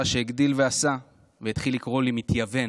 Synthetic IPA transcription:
aʃe̞iɡd̪ilve̞asa | veit̪χilːikʁo̞limit̪jave̞

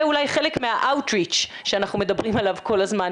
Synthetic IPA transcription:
ulajχe̞lekmeaʔawtʁit͡ʃ | ʃeanaχnume̞dabʁimalavko̞lazman

